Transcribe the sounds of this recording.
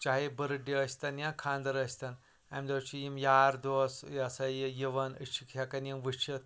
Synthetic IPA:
t͡ʃaɦibɨɾɨɖiɐsʲt̪ɐnjãkʰaːnd̪ɐɾɐsʲt̪ɐn | amʲd̪ot͡ʃʰijimjaːɾd̪oːsɐsɐjijiʋɐnɨt͡ʃʰikʰjakɐnjimʋɨt͡ʃʰit̪

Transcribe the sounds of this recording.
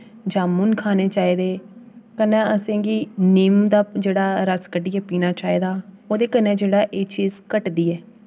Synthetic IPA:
d͡ʒaːmuːnkʰaːneːt͡ʃaːiːd̪eːkənɛ̃ːəsẽːɡiːniːmd̪aːd͡ʒeːɽaːɾəskəɖiːɛːpiːnaːt͡ʃaːiːd̪aːoːd̪eːkənɛːd͡ʒeːɽaːʔeːt͡ʃiːzkəʈd̪iːɛː

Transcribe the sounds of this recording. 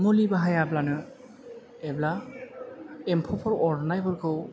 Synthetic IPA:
mulibaɦajablanɯ | ɛbla | empʰɔpʰɔɾɔɾnajpʰɯɾkʰɯw

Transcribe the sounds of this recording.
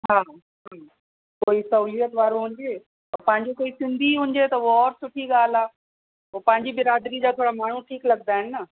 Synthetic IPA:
ɦaː | ɦa | koːisɐuːlijət̪ʋaːɾoɦʊ̃ːɲd͡ʑeː | ɐpɐ̃ɦɪ̃ɲd͡ʑokoːisɪ̃nd̪ʱiɦʊ̃ːɲ̆d͡ʑet̪ɐuɔːɾsʊʈʰiɡaːl̤aː | opɐ̃ɦɪ̃ɲd͡ʑibɪɾaːd̪ɾid͡ʑaːt̪ʰoːɽamaːɳ̤ũʈʰiːklɐɡ̚d̪aːɦɪnɪnːɐ

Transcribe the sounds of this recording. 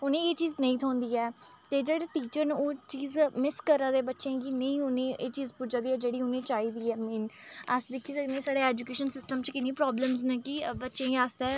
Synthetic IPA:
ʊnẽːeːt͡ʃiːznə̃ĩːt̪ʰɔːnd̪iːɛːt̪eːd͡ʒeːɽaːʈiːt͡ʃəɾnoːt͡ʃiːzmɪskəɾaːd̪eːbətːʃẽːɡiːnə̃ĩːʊnẽːʔeːt͡ʃiːzpʊd͡ʒaːd̪iːɛːd͡ʒeːɽiːʊnẽːt͡ʃaːiːd̪iːɛːmiːnəsd̪ɪkʰːiːsəknẽːsaːɽeːɛːd͡ʒukeːʃənsɪsʈəmt͡ʃkɪnːĩːpɾɔːbləmznẽːkɪbətːʃẽːaːsd̪ɛː

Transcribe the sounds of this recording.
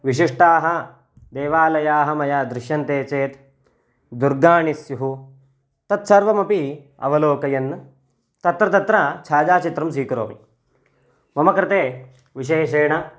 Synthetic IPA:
ʋiʃ̬iʂʈaːɦɐ | d̪eːʋaːlɐjaːɦɐmɐjaːd̪ɾɪʃjɐnt̪eːt͡ʃeːt̪ | d̪uɾɡaːɳisjuɦu | t̪ɐt̪sɐɾʋɐmɐpi | ɐ̰ʋɐloːkɐjɐnː | t̪ɐt̪ɾɐt̪ɐt̪ɾɐt͡ʃʰaːd͡ʒaːt͡ʃit̪ɾɐms̬iːkɾo̰ːmḭ | mɐmɐkɾɪt̪eː | ʋiʃeːʃeːɳɐ

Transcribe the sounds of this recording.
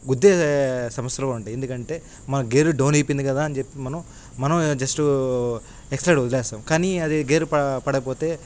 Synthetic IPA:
ɡud̪ːesɐmɐsjɐlouɳʈɐjend̪ukɐɳʈe̞ː | mɐnɐɡe̞ːɾuɖɐwniːpːind̪ikɐd̪aːɐnd͡ʒepːimɐnɐm | mɐnɐmd͡ʒɐsʈu | eksplɐjɖud̪ilɛːsaːmkaːniɐd̪iɡeːɾupɐpɐɽɐp̬o̞ːt̪e̞ː

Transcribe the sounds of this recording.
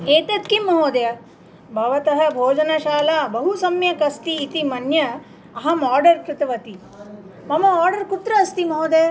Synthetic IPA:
eːt̪ɐt̪̚kimɐɦoːd̪ɐjɐ | bʱɐʋɐt̪ɐɦɐ̆bʱoːd͡ʒɐnɐʃaːlaːbɐɦusɐmjɐkɐst̪iːt̪imɐnjɐ | ɐɦɐmaːɾɖɐɾkɾɪt̪ɐʋɐt̪i | mɐmɐaːɾɖɐɾkut̪ɾɐːst̪imɐɦoːd̪ejɐ

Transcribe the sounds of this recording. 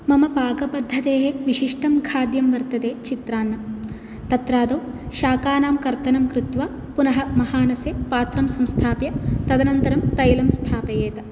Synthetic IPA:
mɐmɐpaːɡɐbɐd̪ʱːɐd̪eːɦeʋiʃiʂʈɐmkʰaːd̪jɐmʋɐɾt̪ɐd̪eːt͡ʃit̪ɾaːnːɐm | t̪ɐt̪ɾaːd̪oː | ʃaːkaːnaːmkɐɾt̪ɐnɐmkɾut̪ʋaː | punɐɦɐmɐhaːnɐseːpaːt̪ɾɐmsɐmst̪ʰaːpjɐt̪ɐd̪ɐnɐnt̪ɐɾɐmt̪ɐjlɐmst̪ʰaːpɐjeːt̪ɐ

